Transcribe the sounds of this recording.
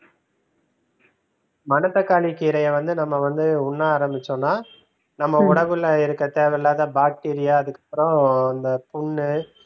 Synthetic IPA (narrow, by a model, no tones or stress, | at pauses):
mɐnɐt̪ːɐkaːɭikiːɾɐjɐʋɐnd̪ɯnɐmːɐʋɐnd̪ɯʊnːaːɾɐmbɪt͡ʃːõnaː | nɐmːɐʊɽɐʋɯlːɐɪɾɯkːɐt̪ːeːʋɛɾlaːt̪ãːbaːk̚ʈiːɾɪjaːðɯkːɐ̥pːɯɾõɐnd̪ɐpʊɳːɯ